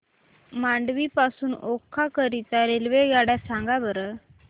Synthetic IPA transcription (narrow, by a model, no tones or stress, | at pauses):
maɳɖʋiːpasuːnokʰːakəɾit̪aɾelʋeɡaɽjasãŋɡabəɾə